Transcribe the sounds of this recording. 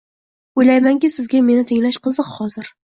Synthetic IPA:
ojlajmaŋkʲɪsɪzɡʲame̞nɪt̪ʰeŋlaʃqʰɨzɨqhɒzɪɾ

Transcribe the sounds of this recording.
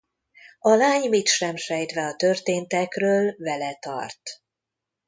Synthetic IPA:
ɒlaːɲmit̪ʃɛmʃɛjt̪ʋɛɒt̪ø̞rt̪eːnt̪ɛkrøːlvɛlɛt̪ɒ̰rt̪

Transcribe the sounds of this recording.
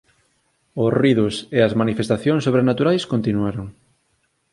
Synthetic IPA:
ʊsriðʊseɐzmanifest̪aθjoŋsːoβ̞ɾenat̪uɾajskont̪inuaɾoŋ

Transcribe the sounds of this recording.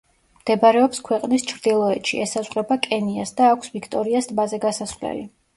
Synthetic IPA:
md̪̥ɛbaɾɛɔpskʰwɛqʼnist͡ʃʰɾd̪ilˠɔɛt̪ʃḭɛsazʁɾɛbakʼɛniasd̪aːkʷʰsvikʰt̪ʼɔɾiasd̪bazɛɡasasvlɛ̰li

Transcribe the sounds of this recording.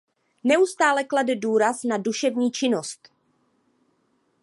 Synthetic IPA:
nɛust̪aːlɛkladɛduːɾasnaduʃɛvɲiːt͡ʃɪnost̪

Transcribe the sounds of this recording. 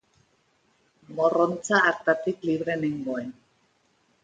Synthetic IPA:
ɡo̞ront͡saːɾt̪at̪ikliβɾe̞neŋɡo̞en

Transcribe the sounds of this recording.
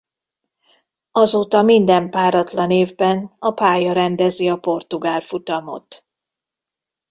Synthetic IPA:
ɒzoːt̪ɒmind̪ɛmpaːɾɒt̪lɒneːvbɛnɒpaːjɒɾɛnd̪ɛziɒpo̞rt̪uɡaːlfut̪ɒmo̞̰t̪

